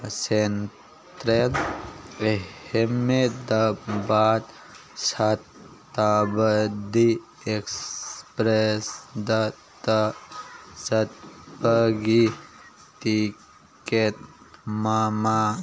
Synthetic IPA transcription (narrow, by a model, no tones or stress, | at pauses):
sen | t̪ɾel | eemed̪abat̪ | sat̪ː | abəd̪i | ekspɾesd̪ɐ | t̪ə | sɐt̪̚pəɡi | t̪i | ket̪ | mama